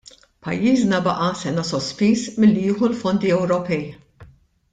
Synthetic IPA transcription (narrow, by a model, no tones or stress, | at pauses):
pɐ̰jːiːznɐbɐʔɐsɛnɐsɔspiːsmɪlːijɪːħulfɔnd̪iɛwɾɔpɛj